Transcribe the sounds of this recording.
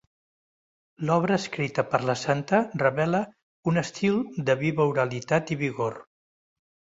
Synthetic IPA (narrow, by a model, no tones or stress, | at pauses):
lɔβɾəːskɾit̪əpəɾləsant̪ərəβɛlə | unəst̪ilˠd̪əβiβəuɾəlit̪at̪iβiɣoɾ